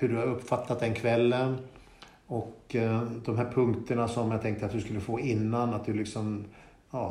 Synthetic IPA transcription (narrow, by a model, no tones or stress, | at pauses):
hɵɖɵhaɾɵpːfat̪ːat̪̚d̪ɛnkʰvɛlːən | ɔkd̪ɔmɦæːɾpʰɵŋkt̪əɳasɔmːjat̪ʰɛŋk̚t̪əat̪̚d̪ɵskɵlːəfoːɪnːanat̪̚d̪ɵlɪksɔm | jɑː